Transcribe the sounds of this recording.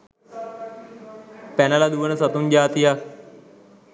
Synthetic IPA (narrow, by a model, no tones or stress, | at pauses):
pænəlad̪uʋənəsɐt̪und͡ʒaːt̪ijak̚